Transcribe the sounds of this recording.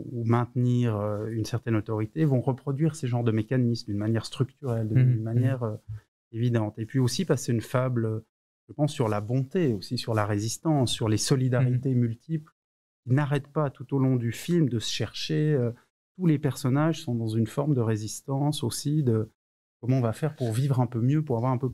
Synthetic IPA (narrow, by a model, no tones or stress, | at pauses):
umɛ̃t̪niʁøynsɛʁt̪ɛnɔt̪ɔʁit̪evɔ̃ʁəpχɔd̪ɥiʁsəʒɑ̃ʁd̪əmekanismd̪ynmanjɛʁst̪χykt̪yʁɛld̪d̪ynmanjɛʁø | evid̪ɑ̃t̪epɥiosipaseynfablø | ʒ̥əpɑ̃sːyʁlabɔ̃t̪eosisyʁlaʁezist̪ɑ̃sːyʁlesɔlid̪aʁit̪emylt̪ʰipl | kʲinaʁɛt̪pat̪ut̪olɔ̃d̪yfilmd̪əsə̥ʃɛʁʃeø | t̪ulepɛʁsɔnaʒsɔ̃d̪ɑ̃zynfɔʁmd̪əʁezist̪ɑ̃sosid̪ə | kɔmɑ̃ɔ̃vafɛʁpuʁvivʁɛ̃pømjøpuʁavwaʁɛ̃pø